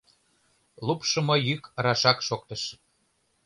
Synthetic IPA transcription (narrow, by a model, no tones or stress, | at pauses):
lˠupʃə̆mojykrɑʃɑkʃok̚t̪əʃ